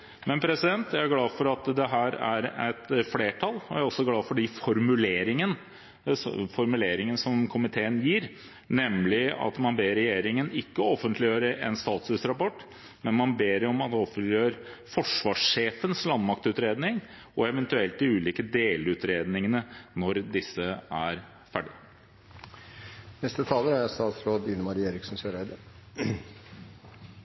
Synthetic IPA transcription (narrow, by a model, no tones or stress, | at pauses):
mɛnpʰɾɛsɪd̪ɛnt̪jæɪæɡlɑːfɔɾɑt̪d̪ɛɦæːɾæɾæt̪fleːʈʰɑlɔæɾɔsːɔɡlɑːfɔɖɪfɔɾmʉleːɾɪŋən | fɔɾmʉleːɾɪŋənəsɔmkʰʊmɪt̪ʰeːənjiːɾ | nɛmlɪɑ̰t̪mɑnbeːɾɛjeːɾɪŋənɪkːəɔfːənt̪ʰlɪjøːɾəʔɛ̰nst̪ɑːt̪sʉsɾɑpɔʈː | mɛnmɑnbeːɾɛɔmɑt̪ɔfəlɪøːɾfɔʂʋɑːʂʂeːfənslɑnmɑkt̪ʉːt̪ɾeːd̪nɪŋ | ʔɔɛʋɛnt̪ʉɛlt̪̚d̪ɪʉːliːkəd̪eːlʉːt̪ɾeːd̪nɪŋənənɔɾd̪ɪsːəæɾ | fæɖɪ | nɛst̪ət̪ʰɑːləɾæɾst̪ɑːt̪sɾoːd̪ɪnəmɑɾeːɾɪksn̩søːɾæɪd̪ə